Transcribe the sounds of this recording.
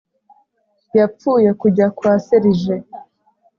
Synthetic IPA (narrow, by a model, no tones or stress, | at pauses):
jap͡fuːje̞kuɟakwaseɾiʒe